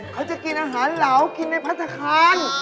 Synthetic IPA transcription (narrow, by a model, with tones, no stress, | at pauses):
kʰa˦˥˩wt͡ɕa˨˩ʔki˧nʔaː˧ɦaː˩˦nla˨˩˦wki˧nːa˧˩jpʰa˦˥t̪ʰːa˧kʰaː˧n